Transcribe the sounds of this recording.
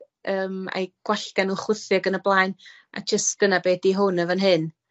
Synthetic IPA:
ʔəːma̰jɡ̥waɬɡ̥anuχwɪθɨɡənəblˠaːjn | a̰d͡ʒəstɡ̥ənabeːdiɦʊnəvənɦɨn

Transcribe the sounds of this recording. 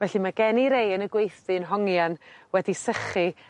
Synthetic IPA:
vɛɬimaɡɛniɾejənəɡwejθɨnɦɔŋjanwɛdisəχi

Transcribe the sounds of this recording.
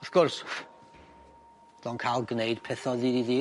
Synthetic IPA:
ɔθɡ̥ʊrs | d̥ɔnkʰalˠɡnejd̥pʰɛθɔðidiði

